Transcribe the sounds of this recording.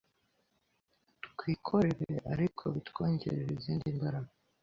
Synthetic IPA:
tkwiːkʰo̞ɾe̞ɾeʔaɾikʰo̞βitko̞ːɲɟe̞ɾeɾeziːndimbaɾaβ

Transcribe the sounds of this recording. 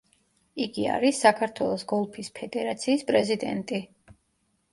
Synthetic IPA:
iɡia̰ɾisːakʰaɾt̪ʰwɛlˠɔsɡɔlˠpʰispʰɛd̪ɛɾat̪sʰiːspʼɾɛzid̪ɛ̰nt̪ʼi

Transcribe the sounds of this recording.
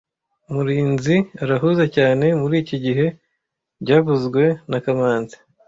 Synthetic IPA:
umuɾiːnziaɾaɦuːzacaːne̞muɾiːciɟiɦe̞ | ɟaːβuzɡwe̞nakamaːnzi̥

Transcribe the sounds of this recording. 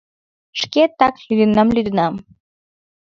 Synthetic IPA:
ʃket̪ɑklyd̪ənɑmlʲyd̪ənɑm

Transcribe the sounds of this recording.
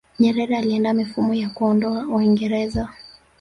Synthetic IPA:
ɲɛɾɛɾɛaliɛndamifumɔjakuɔndɔauiŋɡɛɾɛza

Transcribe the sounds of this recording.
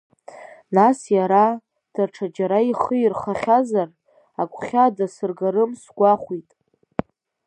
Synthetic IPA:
nasjaɾa | d̥arʈ͡ʂʰad͡ʒaɾaiχəirχaχʲazar | akʷʼχʲadasɨrɡaɾɨmsɡʷaχʷitʼ

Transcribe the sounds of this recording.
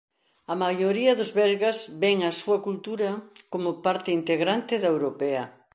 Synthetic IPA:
ɐmajoɾiɐðʊzβɛɾɣazβɛŋɐsuɐkult̪uɾɐkomʊpaɾt̪ɪint̪eɣɾant̪ɪðɐewɾopeɐ

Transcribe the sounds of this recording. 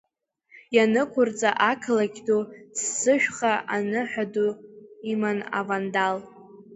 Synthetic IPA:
janɨkʷʰʊrt͡sʼaʔakʰlaɡʲdosːɨʃᶣχaʔanɨħʷᶣaduimana̰vandal

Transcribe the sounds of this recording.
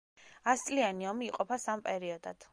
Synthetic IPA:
ast̪sʼlianiɔmiːqʼɔpʰasampʼɛɾiɔd̪a̰d̪̥

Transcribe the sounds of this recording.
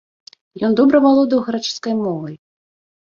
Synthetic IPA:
jɔnd̪ɔbɾɐvalˠɔd̪ɨwɣɐɾat͡ʂɨ̥skɐjmɔvɐj

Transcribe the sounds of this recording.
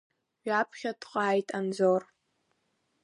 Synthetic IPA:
ɥapʰχʲadqʼaːjtʼand͡zor

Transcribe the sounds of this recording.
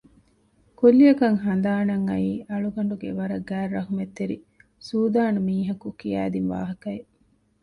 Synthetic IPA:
kolːiɐkɐŋɦɐnd̪aːnɐŋːɐiːɐɭuɡɐɳɖuɡḛʋɐɾɐɡæːrːɐɦumet̪ːeɾḭ | suːd̪aːnumiːɦɐkukijæ̰ːd̪inʋa̰ːɦɐkɐe

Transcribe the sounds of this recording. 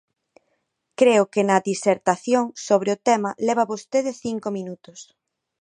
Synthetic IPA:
kɾeʊkɪnɐdiseɾt̪aθjoŋsoβ̞ɾɪʊt̪ɛmɐlɛβɐβost̪eðɪθiŋkomĩnut̪ʊs

